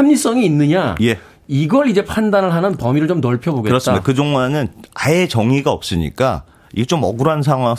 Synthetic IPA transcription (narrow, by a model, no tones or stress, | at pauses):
amɲis͈ʌŋiːnːɯɲaje̞ | iɡʌɭid͡ʑe̞pʰandanɯɭɦanɯnpʌmiɾɯɭt͡ɕomnʌɭpʰjʌboɡekɯɾʌs͈mdokɯd͡ʑoŋanɯnaet͡ɕʌŋiɡaʌp̚s͈ɯɲḭk͈a̰ | ḭɡet͡ɕomʌɡuɾans̬ʰaŋɦwa